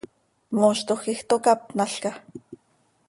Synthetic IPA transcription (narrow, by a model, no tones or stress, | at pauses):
moːʃt̪oxixt̪okap̪̚naɬka